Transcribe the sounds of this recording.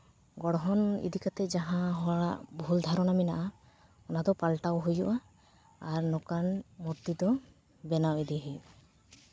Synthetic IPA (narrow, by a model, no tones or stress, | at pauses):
ɡɔɽɔɦɔnḭdikat̪ɛzaɦãɦɔɽaʔbʱuld̪ʱaɾɔnaminaʔa | ɔnat̪ɔpalʈawɦujɔʔaː | ɹnɔkanmuɾt̪id̪ɔ | bɛnawid̪iɦij